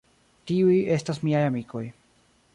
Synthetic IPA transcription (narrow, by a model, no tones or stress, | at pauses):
tiuje̞stasmiajamikʰo̞̰j